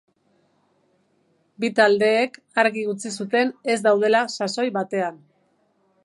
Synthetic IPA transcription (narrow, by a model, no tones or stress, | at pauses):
bit̪ald̪e̞ːk | aɾɣiɣut͡sisut̪e̞ne̞zd̪awð̞e̞lasaso̞jβat̪e̞an